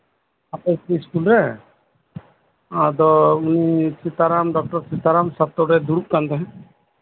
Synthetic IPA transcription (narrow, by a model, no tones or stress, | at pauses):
apɛsiskulɾɛ | ad̪ɔunit͡ʃit̪aɾamɖɔk̚ʈɔɾt͡ʃit̪aɾamsat̪ːɔɾɛd̪uɾup̚kand̪ɛɦɛ̃